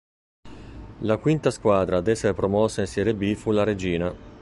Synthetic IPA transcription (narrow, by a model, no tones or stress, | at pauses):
lakwint̪askwaːd̪ɾad̪ɛsːeɾepɾɔmɔsːainsjɛɾebifulaɾed͡ʒiːna